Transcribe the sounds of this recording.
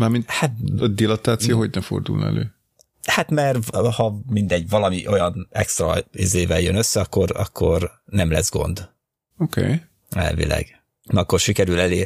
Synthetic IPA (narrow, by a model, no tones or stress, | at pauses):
maːɾminhat̪d̪ilɒt̪aːt̪sijoɦoɟnɛfo̞̰rd̪ṵln̰ɛ̰lø̰ː | hat̪mɛrhɒmind̪ɛɟːvɒlɒmiʔo̞jɒnɛkst̪ɾɒ̰izeːvɛljønøsːɛɒkːo̞rɒ̰kʰːo̞r | nɛmlɛ̰zɡo̞̰nd̪ | okʰḛːj | ɛ̰lvḭlɛ̰ɡ̥ | nɒkːo̞rʃikɛɾylɛleː